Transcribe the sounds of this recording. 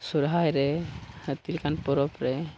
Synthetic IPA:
suɾɦajɾɛt̪ilkanpɔɾɔpɾɛ

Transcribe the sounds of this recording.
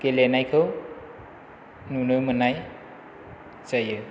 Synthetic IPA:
kelenajkʰɯw | nunɯmɯnaj | t͡ʃajɯ

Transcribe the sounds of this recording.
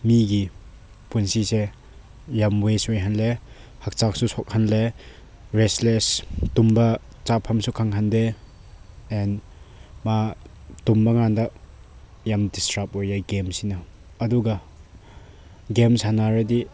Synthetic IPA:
miɡi | punsise | jamwesejɦanle | hak̚t͡ʃak̚susɔk̚hanle | ɾeslestumbɐ | t͡ʃapʰːamsukʰaŋɦandeː | n | ma | tumbɐŋandɐ | jamdistɾap̚ojaɡemsinɐː | duɡɐ | ɡemshanaɾɐdi

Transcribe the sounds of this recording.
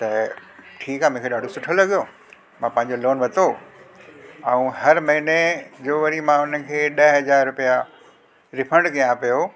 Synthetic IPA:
t̪ɐʈʰiːkaːmʊ̃kʰeɗaːɖʱosʊʈʰolɐɠijo | mãpɐ̃ɦɪ̃ɲ̆d͡ʑoloːnʋɐt̪ʰo | ɛ̃ũɦɐɾmɐɦined͡ʑoːʋɐɾimãʊn̤əɪ̆kʰeːɗɐɦɐzaːɾɾʊpija | ɾɪfʰə̃ɳɖɡijãpijo

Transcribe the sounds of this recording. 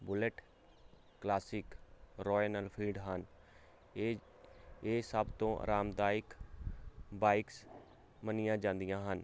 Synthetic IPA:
bʊləʈ | klaːsɪkɾɔːnəlpʰiːɖɦən | eːsəbt̪õːʔɾaːmd̪aːɪk | baːɪks | mənɪjãːd͡ʒãːnd̪ijãːɦən

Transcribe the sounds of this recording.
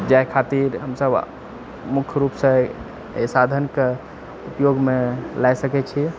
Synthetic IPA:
d͡ʒajkʰat̪iɾɦəmsəb | mukʰɾupsə̃ | esad̪ʱənke | upjoɡmelajsəkɛt͡ʃʰi

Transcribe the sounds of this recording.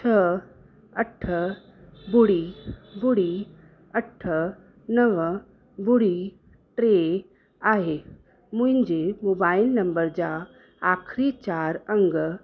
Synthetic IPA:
t͡ɕʰə | ɐʈʰə | bʊɽibʊɽi | ɐʈʰə | nɐʋ | bʊɽi | ʈɾe | aːɦe | mʊ̃ɦɪ̃ɲd͡ʑemoːbaːɪlnɐ̃mbəɾd͡ʑa | aːxʰɾit͡ɕaːɾɐ̃ŋɡ

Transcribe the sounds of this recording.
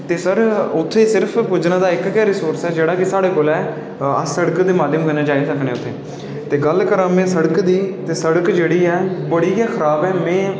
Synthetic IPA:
t̪eːsəɾʊt̪ʰːeːsɪɾpʰpʊd͡ʒnaːd̪aːɪkkɛːɾɪsoːɾsɛːd͡ʒeːɽaːkɪsaːɽeːkoːlɛː | əsəɽəkd̪eːmaːd̪ʱjəmkəneːd͡ʒaːeːsəknẽːʊt̪ʰːeː | t̪eːɡəlkəɾãːmẽːsəɽəkd̪iːt̪eːsəɽəkd͡ʒeːɽiːɛːbəɽiːɛːkʰəɾaːbɛːmɛ̃ː

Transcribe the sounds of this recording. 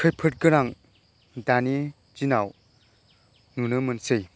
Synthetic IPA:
kʰɯjpʰɯt̚ɡɯɾaŋ | dani | d͡ʒinaw | nunɯmɯnsɯj

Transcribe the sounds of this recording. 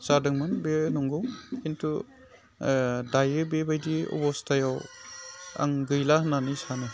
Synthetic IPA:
t͡ʃadɯŋmɯnbenɔŋɡɔwintu | dajɯbebajdiɔ̰bɔstajaw | a̰ŋɡɯjlananisanɯ

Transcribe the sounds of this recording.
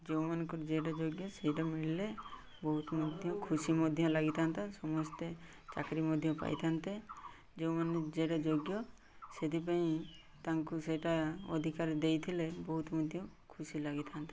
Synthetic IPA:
d͡ʒew̃manɔŋkuɾd͡ʒeʈad͡ʒoɡjɔsejʈamiɽile | bɔɦut̪mɔd̪ʱjɔ̃kʰusimɔd̪ʱjɔ̃laɡit̪ʰant̪asɔmɔst̪e | t͡ʃa̰kɾimɔd̪ʱjɔpa̰jt̪ʰant̪e | d͡ʒew̃mand͡ʒeʈad͡ʒoɡjɔ | sed̪ip̬aĩ | t̪aŋkusejʈaɔd̪ʱikaɾd̪ejt̪ʰilebɔɦut̪mɔd̪ʱjɔ̃kʰusilaɡit̪ʰant̪ḁ

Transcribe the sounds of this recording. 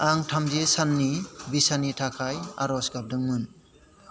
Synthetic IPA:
aŋtʰamzesanːibisanitʰakʰaja̰ɾɔsɡap̚dɯŋmɯn

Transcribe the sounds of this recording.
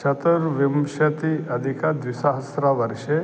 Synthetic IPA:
t͡ʃʰɐt̪ɐɾʋimʃɐt̪iɐd̪ʱikad̪ʋisaɦɐsɾaʋɐɾʃe

